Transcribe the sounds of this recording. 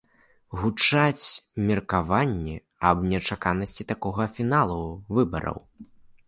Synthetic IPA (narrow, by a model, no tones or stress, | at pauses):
ɣut͡ʂat͡sʲmʲirkavanʲːɛ | ɐbnʲɛt͡ʂakanɐsʲt͡sʲit̪akɔɣɐfʲinalˠuvɨbɐ̰ɾɐ̰w